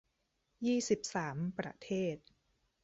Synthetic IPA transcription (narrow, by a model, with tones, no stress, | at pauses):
jiː˥˩si˨˩p̚saː˩˦mpɾa̰˧t̪ʰeː˥˩t̪̚